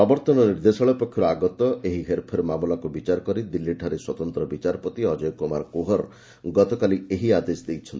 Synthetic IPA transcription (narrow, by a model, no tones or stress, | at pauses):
ɔbɔɾt̪ɔnɔniɾd̪esɔɭɔpɔkʰːjɔɾɔaɡɔt̪ɔeɦiɦeɾpʰɔɾemamlakubit͡ʃaɾɔkɔɾid̪ilːiʈʰaɾeswɔt̪ɔnt̪ɾɔbit͡ʃaɾɔpɔt̪iɔd͡ʒɔjkoma̰ɾkoɦɔɾ | ɡɔt̪ɔkalieɦiad̪esd̪ejt͡ʃʰɔnt̪i